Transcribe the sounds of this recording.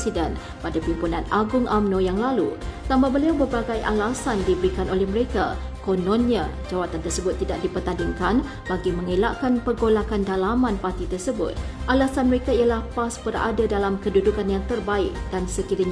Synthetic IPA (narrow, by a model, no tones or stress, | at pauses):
sidɛn | padapimpunãnaɡʊŋʔamnojaŋlalut̪amabəliawbərbaɡajʔalasandibəɾikanʔolɛhməɾeka | konɔ̃nɲa | d͡ʒawat̪ant̪ərsəbʊt̪ːidaʔ̚dipərt̪andɪŋkan | b̥aɡimə̃ŋela̰ʔkanpəɡolakandalamãnpart̪it̪ərsəbʊ̰t̪̚ʔalasanməɾekaijalahpasbəɾa̰dadalamkədudukanjaŋt̪ərbaɪk̚dansəkiɾiɲ